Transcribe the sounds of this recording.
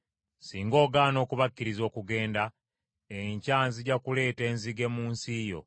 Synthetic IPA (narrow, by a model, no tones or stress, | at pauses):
siːŋɡo̞ːɡaːno̞ːkuβakːiɾizo̞ːkuɡe̞ːnda | eɲcaːnziɟakule̞ːte̞ːnziɡe̞muːnsiːjo̞̰